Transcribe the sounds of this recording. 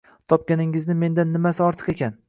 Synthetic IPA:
t̪ʰɒp̚kʲanɪŋɪznɪme̞nd̪anːɪmasɪɒɾt̪ʰɨ̥qe̞kʲʰan

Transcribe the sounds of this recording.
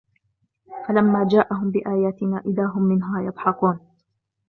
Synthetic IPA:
falamːaːd͡ʒaːʔaɦʊmbɪʔaːjaːt̪ɪnaːʔɪðaːɦʊmːɪnɦaːjɑb̪ˤħɑquːn

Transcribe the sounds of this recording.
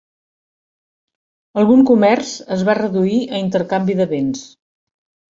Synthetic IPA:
əlˠɣuŋkumɛrzəzβarəðuiʔəint̪əɾkambiðəβens

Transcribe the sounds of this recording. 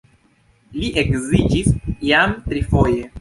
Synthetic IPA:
liʔekzid͡ʒisjamtɾifoje

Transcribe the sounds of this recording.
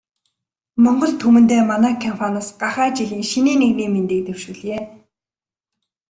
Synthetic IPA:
mɔɴɢɞ̆ɮt̪ʰumɘ̆nt̪eːmanæːkʰampʰanasɢaχæːt͡ɕiɣiːŋʃiniːneɣniːment̪eːk̚t̪ewʃŭɮeː

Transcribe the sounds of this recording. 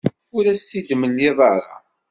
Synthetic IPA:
ʊɾæst̪id̪məliðˤɑɾˤɑ̰

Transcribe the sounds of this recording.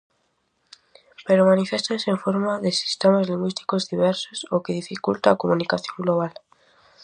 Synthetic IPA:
peɾomanifest̪anseɱfoɾmaðesi̥st̪emazliŋɡwist̪i̥kozðiβ̞eɾsosokeðifikult̪aːkomunikaθjõŋɡloβ̞al

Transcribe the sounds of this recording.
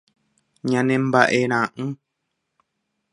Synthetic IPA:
ɲãnẽmbaʔeɾ̃ãʔɨ̃

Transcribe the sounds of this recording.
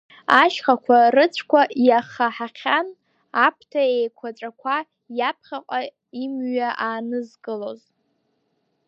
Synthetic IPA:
aʃχakʷʰarɨt͡sʷʰkʷʰajaχaħaχʲʰan | apʰtʰaejkʷʰat͡sʷʼakʷʰa | japʰχʲaqʷʼa | imɥaʔaːnɨzɡʼɨloz

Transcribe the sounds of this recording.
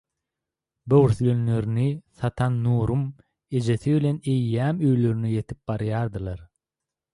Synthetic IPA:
bøwɾθylønløɾyniθɑt̪ʰɑnːuːɾum | e̞d͡ʒe̞θiβilʲe̞nejːæːmø̞jlø̞ɾynyje̞t̪ʰip̚bɑɾjɑːɾd̪ɯlˠɑɾ

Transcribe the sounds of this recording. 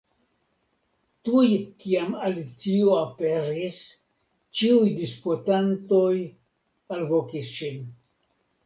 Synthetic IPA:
tujkiamalit͡sioapeɾis | t͡ʃiujdispotanto̞j | alvo̞kisʃin

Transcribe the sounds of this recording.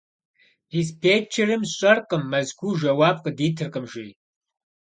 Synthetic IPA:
dispʰeːt͡ʃʰɪrɨmɕʼɐrqʼəmːɐzɡʷʰuːʒɐwaːb̚qədiːtʰɨrqəmʒɪj

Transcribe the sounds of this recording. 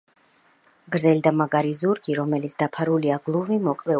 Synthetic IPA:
ɡɾzɛlid̪amaɡaɾizuɾɡiɾɔmɛlit̪sʰd̪apʰaɾuliaɡlˠuvimɔkʼlɛ

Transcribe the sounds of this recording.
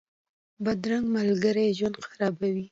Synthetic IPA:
bad̪ɾaŋɡmalɡəɾejʒwand̪xaɾɑbawi

